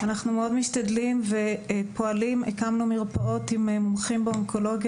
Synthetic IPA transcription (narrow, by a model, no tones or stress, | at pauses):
anaχnumeo̞dmiʃtad̪limve̞po̞alimekamnumiʁpaʔo̞t̪imemomχimbeoŋkʰo̞lo̞ɡj